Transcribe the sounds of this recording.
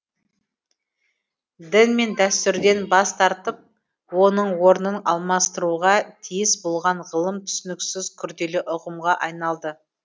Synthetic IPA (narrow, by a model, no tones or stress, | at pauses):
d̪ɪnme̞nd̪æst̪ʏɾd̪e̞nbɑst̪ɑɾt̪əp̚ | wo̞nəɴwo̞ɾnənɑlˠmɑst̪əɾuʁɑt̪ʰijɪsbo̞lˠʁɑɴʁəlˠəmt̪ʰʏ̥sɪnɪksɪzkʲʰʏɾd̪e̞lɪʔʊqəmʁɑʔɑjnɑlˠd̪ə